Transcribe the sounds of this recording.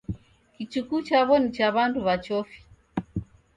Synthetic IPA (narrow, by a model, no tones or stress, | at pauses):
kit͡ʃukut͡ʃaβɔnit͡ʃaβanduβat͡ʃɔfi̥